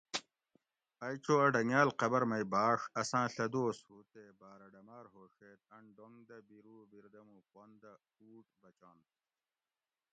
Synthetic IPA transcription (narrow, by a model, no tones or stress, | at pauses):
ɐjt͡ɕoːɐɖɐŋjaːlqɐbɐɾmɐjbaːʂɐsãːɬɐd̪oːshut̪ebaːɾɐɖɐmaːɾɦoːʂeːt̪̚ɐɳɖoŋd̪ɐbiɾuːbiɾd̪ɐmuqwond̪ɐ | uːʈbɐt͡ɕãːn